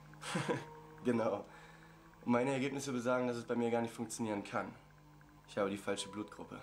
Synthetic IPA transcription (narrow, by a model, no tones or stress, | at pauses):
ɡ̥ənaʊ | ʔʊntmaɪnəɛɐɡeːpnɪsv̥ʏdəzaːɡŋ̩das̬ɛsb̥aɪmiːɐɡaːɐnɪçtfʊŋkt͡sjoniːʁənkʰan | ʔɪçhaːbədiːfalʃəbluːtɡ̥ʁʊ̰pʰə̰